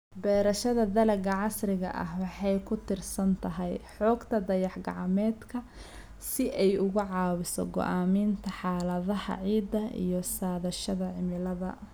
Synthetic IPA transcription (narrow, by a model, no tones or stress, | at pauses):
bɛːɾɐʃɐðɐd̪ɐlɐɡɐʕɑsrɪɣɐ̰ʔɐ̰hwɑħɑjkʰʊt̪ʰɪrsɐnt̪ʰɐɦɛjħɔːɡt̪ʰɐd̪ɐjɑħɡɑ̰ʕɑmɛːd̪kʰɐ | sɪʔɛjʊɣʊʕɑːwɪsɔ̰ɡɔ̰ʔaːmiːnt̪ʰɐħɑːlɐðɐhɐ̰ʕiːd̪ɐḭjɞsaːðɐʃɐðɐʕɪmɪlɐðɐ